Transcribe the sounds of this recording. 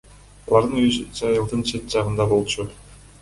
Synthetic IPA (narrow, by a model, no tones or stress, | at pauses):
ɑlˠɑɾd̪ɯnyd͡ʒd͡ʒɑjɯlˠd̪ɯnt͡ʃʰe̞t̪̚d͡ʒɑʁɯnd̪ɑbo̞lˠt͡ʃu